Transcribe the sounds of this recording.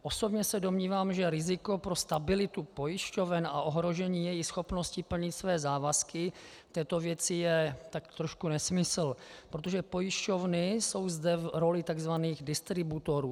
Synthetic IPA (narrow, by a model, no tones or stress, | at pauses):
ʔo̞so̞bɲɛsɛdomɲiːvaːmʒɛɾɪzɪko̞pɾo̞st̪abɪlɪt̪upo̞jɪʃco̞vɛna̰ʔoɦɾo̞ʒɛɲiːjɛjɪxsxo̞pno̞scɪpl̩ɲɪt̪svɛːzaːvaskɪ | t̪ɛːt̪o̞vjɛt͡sɪjɛt̪akt̪ɾoʃkunɛsmɪsl̩pɾot̪oʒɛpo̞jɪʃco̞vnɪso̞wzdɛvɾo̞lɪt̪aɡzvaniːɣdɪst̪ɾɪbut̪o̞ɾuː